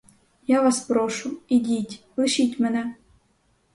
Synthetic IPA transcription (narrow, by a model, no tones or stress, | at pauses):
jaʋɑspɾoʃʊidʲitʲplˠɨʃitʲmɛnɛ